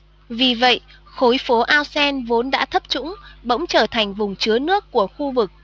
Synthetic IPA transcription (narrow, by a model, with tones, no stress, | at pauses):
vi˨˩və̰˧˨j | xo˨˦jfo˨˦ʔaː˧wsɛ˧nvo˨˦nɗa̰ː˧˥t̪ʰə˦˥p̚t͡ɕʊ̰˧˥ŋ͡mɓə̰˧˥wŋ͡mt͡ɕəː˧˩t̪ʰa˨˩jŋ̟vʊ˨˩ŋ͡mt͡ɕɨ˨˦ənɨ˦˥əkːu˧˩əxu˧vɨ˨˩k̚